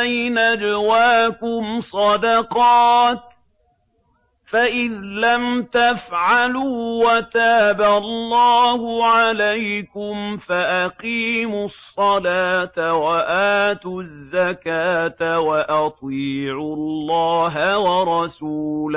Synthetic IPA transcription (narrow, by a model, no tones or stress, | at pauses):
ajnad͡ʒawaːkʊmsˤɑd̪ɑqɑːt̪̚ | faʔɪðlamt̪afʕaluːwat̪aːballːɑːhʊʕalajkʊmfaʔaqiːmʊsˤːɑlaːt̪awaʔaːt̪ʊzːakaːt̪awaʔɑt̪ˤiːʕʊlːɑːɦawɑɾˤɑsuːla